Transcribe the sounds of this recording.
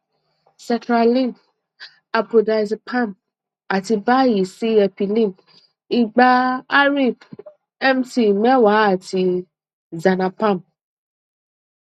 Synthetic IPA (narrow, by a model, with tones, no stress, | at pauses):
sɛ̃˨ntɾa˨lĩ˦˨ŋk | a˨po˨da˨jzpʰã˦˨m | a˨ti˨ba˦ji˨si˦ɛ˨pi˨lĩ˦ŋk | i˦ɡ͡ba˦a˦ɾi˦p | ɛ˦mti˦mɛ̃˦wa˨˦a˨ti˧ | za˨na˨pa˦˨m